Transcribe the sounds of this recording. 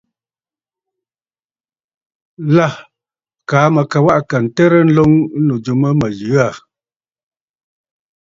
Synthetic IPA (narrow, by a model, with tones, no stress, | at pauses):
la˦˨ | kaː˨˦mə˨ka˨wa˦ʔka˨n̩˨tɛ˦ɾə˦n̩˦lo˦ŋ˦no˨d͡ʒu˨mə˦mə˨jɯ˨˦a˦˨